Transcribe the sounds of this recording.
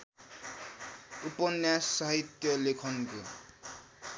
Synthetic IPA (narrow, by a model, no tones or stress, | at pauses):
upʌnjasːʌɦit̪jʌlekʰʌnko